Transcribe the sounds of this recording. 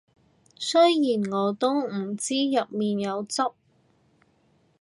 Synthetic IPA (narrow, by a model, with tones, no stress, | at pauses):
sɵ˥jjiː˨˩nŋɔː˨˧t̪o˥wm̩˨˩t͡siː˥jɐ˨t̚miː˨njɐ˨˧wt͡so˥k̚